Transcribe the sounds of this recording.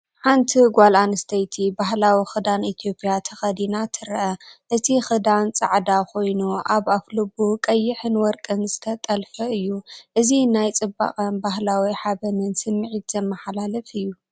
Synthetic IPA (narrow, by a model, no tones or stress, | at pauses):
ħant̪ʰiɡʷalanɨst̪ʰɐjt̪ʰibahlawixɨd̪anit̪ʰijo̞pʼjat̪ʰɐxɐd̪inat̪ʰɨɾʔɐʔɨt̪ʰixɨd̪ant͡sʼa̰ʕd̪akʰo̞jnuʔaβaflɨbukʼɐjːɪħɨnwɔɾkʼɨnzɨt̪ʰɐt̪ʼɐlfɐɨjːuʔɨzinajt͡sʼɨbːa̰χʼɐnbaɦlawiħabɐnɨnsɨmːɨʕit̪zɐmːɐħalalɐfɨjːu